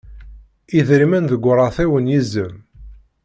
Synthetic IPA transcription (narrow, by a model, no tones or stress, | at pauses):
iðɾimænðəɡʷɾˤɑθiwənjizːəm